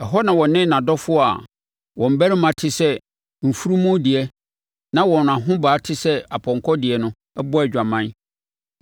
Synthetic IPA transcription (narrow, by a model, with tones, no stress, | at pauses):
ɛ˨ɦɔ˦nã˨wɔ̃˨nɪ̃˦nã˨dɔ˦fʊ˦ɔ˦a̰˨ | wɔ̃˨m̩˨bæ˦ɾɪ˦mã˨tʰɪ˦sɛ˦ | m̩˨fu˦ɾu˦mũ˦dɪ˨ɛ˦ | nã˦wɔ̃˨n˨ã˨ɦʊ̃˦baː˨˦tʰɪ˦sɛ˦a˨pʰɔ̃˨ŋ˨kʰɔ˦dɪ˨ɛ˨nʊ̃˦ | ɛ˦bɔ˦ɛ˨d͡ʑᶣa˨mã˦n˦